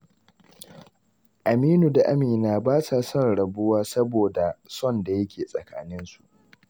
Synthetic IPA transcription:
ʔa˨miː˦nu˨da˨ʔa˦miː˨naː˨baː˦ta˨sɐ˦nɽɐ˨bʊ˦waː˦sɐ˦boː˨da˨sɔ˦˨nda˨jɐ˦kʲeː˨sʼɐ˨kaː˦nɪ˦nsu̥˨ʔ

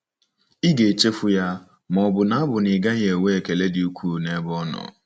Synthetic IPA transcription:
i˦ɡe˨t͡ʃe˦fʊ˦ja˦ | mɔ˨bʊ˨na˦a˦bʊ˨nɪ˨ɡa˦ɲe˨we˦e˨ke˨le˦di˨u˦kʰʷu˦˨ne˦bɔ˦nɔ̰˨

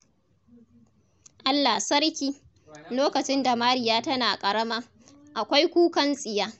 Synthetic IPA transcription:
ʔa˦lːa˨sɐ˦ɽkʲiː˦ | loː˦kɐ˨t͡ʃɪ˦nda˨maː˦ɽɪ˨jaː˦tɐ˦naː˨kʼɐ˨ɽɐ˦maː˦ | ʔa˨kʷa˦jkʷuː˦kɐ˦nsʼɪ˨jaː˦

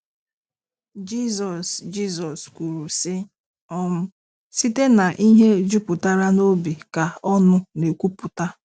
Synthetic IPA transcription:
d͡ʒi˦zɔ˨sd͡ʒi˦˨zɔ˨skʷu˨ɾu˨sɪ˦ | ɔ˦m̩˦ | si˦te˦na˨ʔi˦ɦe˦d͡ʒu˦pʊ˨ta˦ɾa˦no˦bi˨ka˨ɔ˦nʊ˦ne˨kʷu˦pʊ˨ta˦

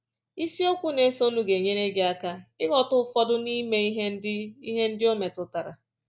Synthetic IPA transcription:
i˦si˦o˦kʷu˦ne˦so˦nu˦ɡe˨ɲe˦ne˦ɡa˦ka˦ɪ˦ɡɔ˨tʊ˦fɔ˦dʊ˦ni˦me˦i˦ɦe˦i˦ɦe˦n̩˦dɪ˦o˦me˨tʊ˦ta˨ɾa˨

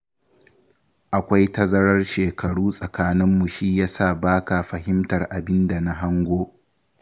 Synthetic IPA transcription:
ʔa˨kʷa˦jtɐ˦zɐ˦ɾɐ˦rʃeː˨kɐ˨ɽuː˦sʼɐ˨kaː˦nɪ˦mːu˨ʃiː˦jaː˦saː˦˨baː˦ka˨ɸɐ˨ɦɪ˦mtɐ˨rʔa˨bɪ˦nda˨na˦ɦa˦ŋɡʷoː˦

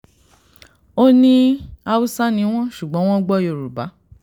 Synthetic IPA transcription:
o˦nĩ˦a˦wu˦sa˦nĩ˧˦w̃ɔ̃˦ʃu˨ɡ͡bɔ̃˨˦w̃ɔ̃˦ɡ͡bɔ˦˨jo˨ɾu˨ba˨˦

